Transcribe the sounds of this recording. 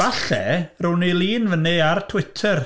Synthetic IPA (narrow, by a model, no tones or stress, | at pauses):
aɬɛ̰rʊnilˠiːnvənɪartʰwɪtʰər